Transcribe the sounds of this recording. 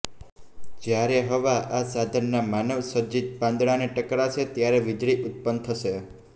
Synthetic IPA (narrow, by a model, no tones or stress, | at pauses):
d͡ʒjaɾeɦəʋaasad̪ʱənːamanəʋsəɾd͡ʒit̪̚bãnd̪ɽaneʈəkɾat͡ʃʰet̪jaɾeʋɪd͡ʒɽiʔʊt̪̚pənt̪ʰəʃe